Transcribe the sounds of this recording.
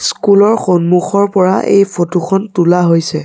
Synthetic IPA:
skulɔɹxonmuxɔɹpɔɹaʔḛjpʰotukʰɔntulaɦojsɛ

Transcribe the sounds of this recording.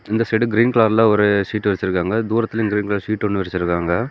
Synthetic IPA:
ɪnd̪ɐsʈɛɽɯɡɾiːnkɭaːɾlãːɔɾɯʂiːʈːʋɐɾɪt͡ʃːɪɾɯkːaːŋɡɐd̪uːɾɐt̪ːɪlɪɡɾiːnkɭaːɾʂiːʈːɔɳːɯʋɐɾɪt͡ʃːɪɾɯkːaːŋɡɐ

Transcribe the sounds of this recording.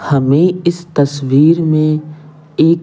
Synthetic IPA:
hɐmẽɪst̪ɐswiːɾmẽ | eːk

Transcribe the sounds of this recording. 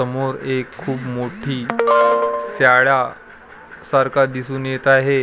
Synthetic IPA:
əmoɾekʰːuːbmoʈʰiː | sjaɭa | saɾkʰad̪isuːnjet̪aɦe

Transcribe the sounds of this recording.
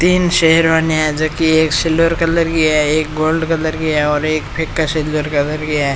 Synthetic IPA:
t̪iːnʃeɦəɾʋaːniaɛd͡ʒɐkieːksɪlʋəɾkɐləɾɡɪjaɛeːk̚ɡoːlɖkɐləɾɡɪjaɔːɾeːkpʰekːasɪlʋəɾkɐləɾɡɪjaɦɛ

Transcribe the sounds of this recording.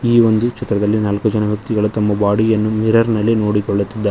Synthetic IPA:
iːʋond̪ukt͡ʃɛt̪ɾɐd̪ɐlːinaːlkud͡ʒɐnɐʋjɐk̚t̪iɡɐɭut̪ɐmːɐbaːɽijɐnːumiɾɐɾnɐlːino̞ːɽikɔɭːɐt̪ːid̪ːɐ

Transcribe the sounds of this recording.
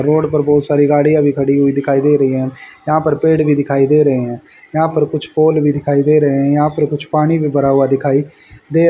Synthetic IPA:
ɾoːɖpəɾbɔːt̪saːɾiːɡaːɽijãːbiːkʰəɽiːɦoːiːd̪ɪkʰaːiːd̪eːɾəiːɦɛ̃ːjãːpəɾpeːɽʋiːd̪ɪkʰaːiːd̪eːɾəɦeːɦɛ̃ː | jãːpəɾkʊt͡ʃʰpoːlʋiːd̪ɪkʰaːiːd̪eːɾəɦeɛ̃ːjãːpəɾkʊt͡ʃʰpaːɽ̃iːbiːbəɾaːuaːd̪ɪkʰaːiː | d̪eː

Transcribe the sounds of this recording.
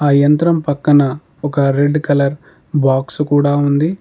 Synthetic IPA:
aːjɐnt̪ɾɐmpɐkːɐnɐ | ɔkɐɾe̞ɖːkɐlɐɾ | baːksukuːɽaːund̪i

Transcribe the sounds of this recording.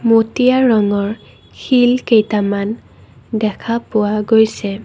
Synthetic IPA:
motijaɹɔŋɔɹ | xilkejtaman | dɛkʰapʊwaɡojsɛ

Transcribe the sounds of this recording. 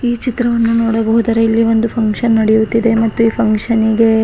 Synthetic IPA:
iːt͡ʃit̪ɾɐʋɐnːunoːɽɐbɐɦud̪ɐɾeilːiʋo̞nd̪upʰɐŋkʂɐnːɐɽejut̪ːid̪e̞mɐt̪ːuiːpʰɐŋkʂɐniɡe̞

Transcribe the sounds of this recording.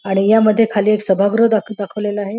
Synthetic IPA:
aɽ̃ijaməd̪ʱːjekʰaliːeksəbʱaɡɾəd̪akʰd̪akʰəʋleləaɦe

